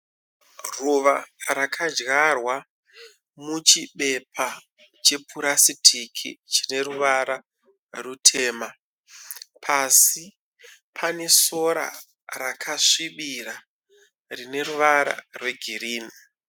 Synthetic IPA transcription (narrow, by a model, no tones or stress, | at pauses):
ruʋaɾakʰad͡ʒɣarwa | mut͡ʃiɓe̞pʰa | t͡ʃe̞puɾasitʰikʰḭt͡ʃine̞ɾuʋaɾa | rutʰe̞ːma | pʰasi | pʰane̞so̞ɾa̰ | ɾakʰaʂiɓira | rine̞ruʋaɾa̰rwe̞ɡʱiriːni